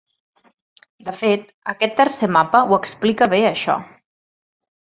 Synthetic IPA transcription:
d̪əfet̪̚ | əkɛt̪ːərsemapəuəksplikəβeəʃɔ̰

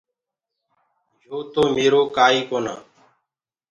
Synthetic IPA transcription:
joːt̪oːmeːɾoːkaːiːkoːna̰ː

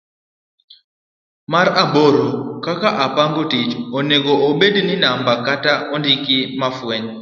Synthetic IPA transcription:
maɾaboɾokakaʔapaŋɡotit͡ʃoneɡɔʔoɓedninambakataondikimafwɛɲ

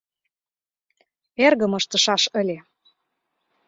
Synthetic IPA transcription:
erɣə̆mɤ̆ʃt̪ɤ̆ʃɑʃə̆lʲe

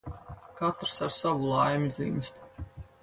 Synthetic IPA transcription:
kat̪ɾsaɾsavulˠajmʲid̪zḭmʲisʲt̪

